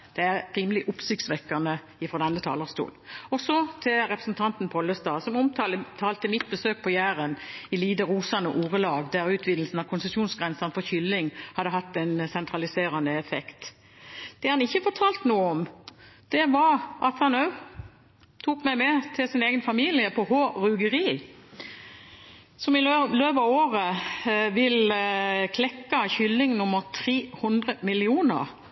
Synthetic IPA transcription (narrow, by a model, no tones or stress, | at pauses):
d̪̥ɛæʁʁiːməlɪʔʊpsɪk̚sʋɛkːɑnə | ɪfɾɔd̪ɛnːət̪ʰɑ̰ːləʁst̪ṵːlɔsɔt̪ʰɪlɾɛpʁəsn̩t̪ʰɑnt̪n̩pʰɔlːəst̪ɑːsɔmʊmt̪ʰɑːlət̪ʰɑːlt̪əmɪt̪̚bəsøːk̚pʰɔjæːɾənɪliːd̪əʁuːsɑnəʔuːʁəlɑːɡd̪æʁʉːt̪ʰʋɪnəl̩sn̩ɑʋkʰʊnsəsuːnsɡʁɛnsɑnfɔçʏlːɪŋhɑd̪ːəɦɑt̪ːɛnsɛnt̪ʰɾɑlɪseːɾɑnəɛfɛkt̪ | d̪̥ɛhɑnɪçːəfɔt̪ʰɑːlt̪nuːəɔmd̪̥ɛʋɑɾɑt̪hɑnœ | t̪ʰuːkmæɪmɛt̪ʰɪlsɪneːɡənfɑmiːlɪəpʰɔhoːʁʉɡəʁiː | sɔmɪløːpɑʋoːʁəʋɪlkʰlɛkːɑçʏlːɪŋnʊmːəʁt̪ʰʁeːhʊnd̪ʁəmɪlɪuːnə̰ɾ